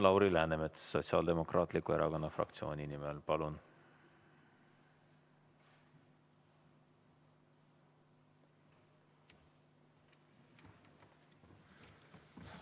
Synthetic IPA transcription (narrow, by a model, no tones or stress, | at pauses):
lɑwɾilæːnemet̪sːo̞t̪siɑ̰ːld̪̥e̞mo̞krʔɑːt̪ˑlikue̞ɾʔɑko̞nːɑfrɑ̰kt̪sioːnʲinimelpɑlun